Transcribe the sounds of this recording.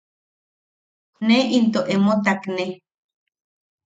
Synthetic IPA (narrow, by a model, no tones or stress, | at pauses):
neint̪̬oʔemot̪akne